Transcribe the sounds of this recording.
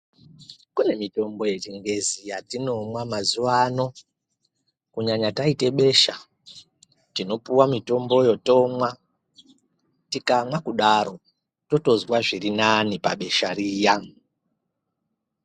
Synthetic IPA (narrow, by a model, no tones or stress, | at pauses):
kune̞mito̞mbo̞je̞t͡ʃiŋɡe̞zijatino̞mwamazuwano̞ | kuɲaɲataite̞ɓe̞ʃa | tino̞puwamito̞mbo̞jo̞to̞mwa | tikamwakuɗaɾo̞ | to̞to̞zwaʐirinanipaɓe̞ʃaɾiːja